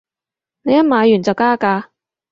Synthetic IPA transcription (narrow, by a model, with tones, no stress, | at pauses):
ne˨˧jɐ˥maː˨˧jyː˨˩nt͡sɐ˨wkaː˥kaː˧